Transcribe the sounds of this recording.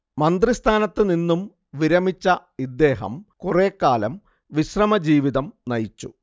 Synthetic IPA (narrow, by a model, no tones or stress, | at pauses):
mɐnd̪rist̪ʰaːnɐt̪ːɨninːum | ʋiɾɐmit͡ɕːɐ | id̪ːe̞ːɦɐ̰mkureːkːaːlɐm | ʋiɕrɐmɐd͡ʑiːʋiðɐmnɐjit͡ɕːu